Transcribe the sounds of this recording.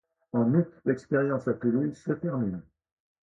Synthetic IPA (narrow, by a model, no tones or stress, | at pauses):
ɑ̃nut̪lɛkspeʁjɑ̃sat̪əlisət̪ɛʁmin